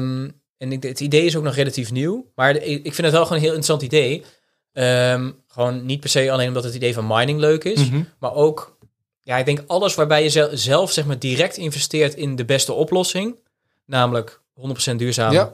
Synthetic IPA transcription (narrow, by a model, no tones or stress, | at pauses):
m | ɛnətidejɪs̬owknɔχrelatifniwmaːɹɪkfɪndətʋɛlˠχoːnɦɪːlˠɪntrəsɑntidej | əmχəʋoːnːit̚pɛɹsejɑlejnɔmdɑtɦətidejvɑnmɑjnɪŋløɥkɪsmaːɹʔowk | jaɪɡ̚dɛŋkɑlˠəsʋaːɹbɛjəzɛlˠfsɛχmaːɹdirɛk̚tɪnvɛstɪːɹtɪndəbɛstəʔɔplɔsɪŋ | naːmələk | ɦɔndəpro̥sɛndyːɹzaːm